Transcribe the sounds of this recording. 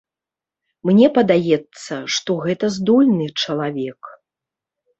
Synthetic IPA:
mnʲɛpɐd̪ajɛt̪sːɐʂt̪ɔɣɛt̪ɐzd̪ɔlʲnɨt͡ʂɐlˠavʲɛk

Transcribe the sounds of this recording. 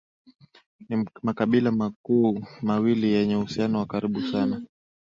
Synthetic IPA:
nimakaɓilamakuːmawilijɛɲɛuhusianɔwakaɾiɓusana

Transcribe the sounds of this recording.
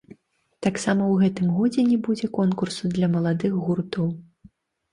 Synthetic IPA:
t̪aksamɐwɣɛt̪ɨmɣɔd͡zʲɛnʲɛbud͡zʲɛkɔnkursud̪lʲɐmɐlˠad̪ɨxɣurt̪ɔw

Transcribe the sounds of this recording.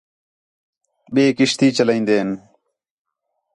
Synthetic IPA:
ɓeːkiʂt̪iːt͡ɕɐlɐĩnd̪eːn

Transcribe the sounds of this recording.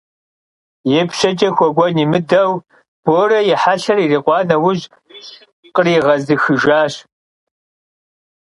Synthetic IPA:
jɛpɕɐt͡ʃʼɐxʷɔɡʷɔnimɨdɐw | b̥oːɾɐjɛħaɬɐririqʷɑːnɐwʊʑ | qəriʁɐzɨxɨʒaːɕ

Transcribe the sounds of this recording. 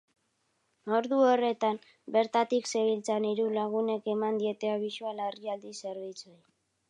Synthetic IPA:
o̞ɾðuo̞re̞t̪am | be̞ɾt̪at̪ikse̞βilt͡saniɾulaɣ̞une̞ke̞mand̪ie̞t̪e̞aβisualariald̪ise̞ɾβ̞it͡soj

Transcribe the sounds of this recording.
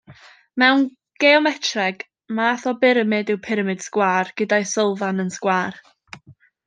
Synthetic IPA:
mɛwn | ɡ̥eɔmɛtʰrɛɡ | maːθɔbɪɾəmɪdɪwpʰɪɾəmɪd̥skwaːrɡ̥ədajsəlˠvanənskwaːr

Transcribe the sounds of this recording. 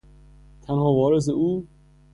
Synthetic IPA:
t̪ʰænhɒːvɒːɾes̬euː

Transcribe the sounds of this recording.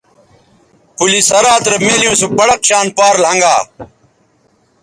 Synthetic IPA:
pulisɐɾaːt̪ɾɐmeːlijũːsupɐɽɐkɕaːnpaːɾlɦɐ̃ŋɡaː

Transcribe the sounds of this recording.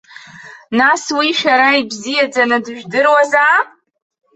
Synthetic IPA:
naswiʃᶣaɾaibzijad͡zanɨdɨʒᶣdɨrwaza

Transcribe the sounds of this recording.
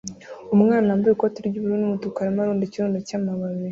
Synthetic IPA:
umŋaːnaambaekotiɾɟuβuɾunumutukaɾimaɾuːndiciɾuːndacaːmaβaβe

